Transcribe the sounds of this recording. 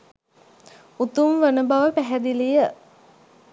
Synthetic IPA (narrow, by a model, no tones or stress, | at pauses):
ut̪umʋənəbaʋəpæɦæd̪ilijə